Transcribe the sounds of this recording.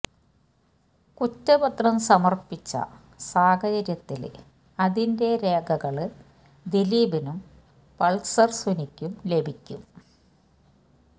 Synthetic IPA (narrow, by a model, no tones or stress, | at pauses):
kutːɐbɐt̪rɐmsɐmɐrpit͡ɕːɐ̰ | saːkɐd͡ʑɐɾjɐt̪ːil | ɐðinde̞ɾe̞ːkʰɐɣɐɭɨ | d̪eliːbinum | pɐɭsɐrsunikʲːumle̞bʱikʲːṵm